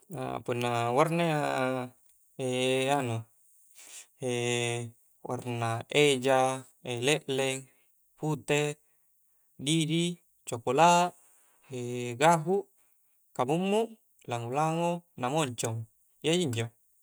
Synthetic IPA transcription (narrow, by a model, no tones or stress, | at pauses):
a̰punːawarnaa | eano | e | wʔa̰rnaed͡ʒa | eleʔlɛŋ | put̪e | didi | t͡ʃokola | eɡaɦu | kamumːu | laŋulaŋonamoɲt͡ʃɔŋ | iaiɲd͡ʒo